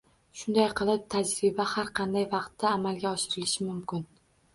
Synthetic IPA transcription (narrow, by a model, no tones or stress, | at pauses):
ʃʊnd̪ajqʰɨlˠɪp̚t̪ʰad͡ʒɾɪbahaɾqʰɑnd̪ajvɑqt̪ːaːmalˠɡʲaɒʃɪɾɪlɪʃɪmʊmkʲɪn